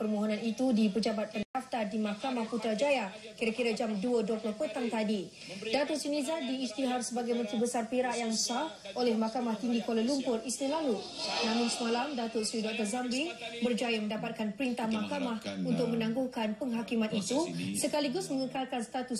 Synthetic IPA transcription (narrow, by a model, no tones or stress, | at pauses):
pərmoɦonãnit̪udipəd͡ʒabat̪̚pənt̪aft̪adimakamahput̪ɾad͡ʒaja | kiɾakiɾad͡ʒamduəduəplɔhpət̪aŋt̪adi | dat̪ʊrsinizadiːst̪iɦarsəbaɡajmənt̪ɾibəsarpiɾaʔjaŋsah | ʔolɛhmakamaht̪iŋɡikoləlumpʊrisnilalunãmʊ̃nsəmalamdat̪ʊt̪̚sɾidɔk̚t̪ɔrzambibərd͡ʒajamə̃ndapat̪̚kanpəɾint̪ahmakamahunt̪ʊk̚mə̃nãŋɡuhkanpəŋɦakimanit̪usəkaliɡʊsmə̃ŋəkalkanst̪at̪u